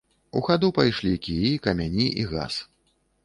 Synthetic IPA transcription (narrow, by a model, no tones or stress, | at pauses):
ṵɣad̪upajʂlʲikʲijkɐmʲanʲiʔiɣa̰s